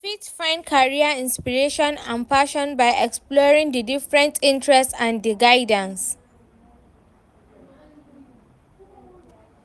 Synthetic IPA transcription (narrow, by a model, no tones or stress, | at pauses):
fitfãnkʰaɹiaĩnspiɹeʃɔ̃nãnpaʃɔ̃nbaɪʔɛksplɔɹĩŋdədifɹɛ̃ntʰĩntʰɹɛstãndiɡaɪdə̃ns